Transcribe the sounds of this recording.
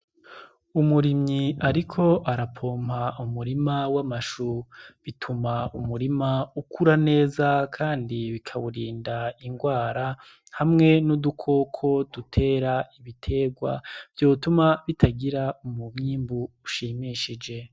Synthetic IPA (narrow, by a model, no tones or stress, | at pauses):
umuɾimɲiaɾikʰo̞ʔaɾapʰo̞ːmhaumuɾimawamaʃuβitʰumaumuɾimaukuɾane̞ːzakʰaːndiβikʰaβuɾiːndaiŋɡwaːɾa | hamŋe̞nudukʰo̞kʰo̞dutʰe̞ːɾaiβitʰe̞ːɡwa̰v̥jo̞ːtumaβitʰaɡiɾaumumɲiːmbuuʃiːmiːʃid͡ʒe̞